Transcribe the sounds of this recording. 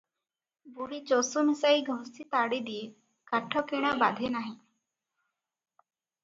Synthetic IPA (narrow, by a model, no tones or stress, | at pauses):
buɽit͡ʃosumisaiɡʱɔɦsit̪aɽid̪ije | kaʈʰːɔkɛɽ̃aba̰d̪ʱenaɦĩ